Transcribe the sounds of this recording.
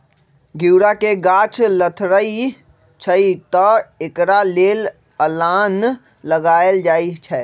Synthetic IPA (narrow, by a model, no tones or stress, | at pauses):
ɡʱiwɾakeɡaːt͡ʃlət̪ʰɾəi | t͡ʃʰəit̪əekɾaleːl | əlaːnː | əɡaːeld͡ʒaːit͡ʃʰɛː